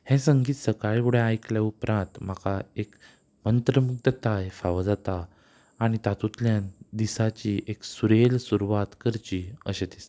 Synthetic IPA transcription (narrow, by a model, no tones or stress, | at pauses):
hẽsəŋɡiːt̪səkaɭkuɽ̤eajkljaupɾãnt̪m̤akaek | mənt̪ɾəmuk̚t̪ət̪ajfaʋad͡zat̪aː | ɽ̃it̪at̪ut̪ljand̪isat͡ɕiʔeksuɾelsuɾuʋat̪kəɾt͡ɕiə̰ɕet̪ist̪e̥